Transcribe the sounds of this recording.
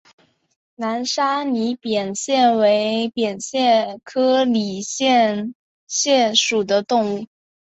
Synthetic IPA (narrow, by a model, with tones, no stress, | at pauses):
na˧˥nʂa˥ni˧˥pjɛ˨˩nɕjɛ˥˩nwe˧˥ɪpjɛ˨˩nɕjɛ˥˩nkʰɤ˥li˨˩ɕjɛ˥˩n | ɕjɛ˥˩nʂu˨˩d̪ə˦t̪ʊ˥˧ŋu˥˩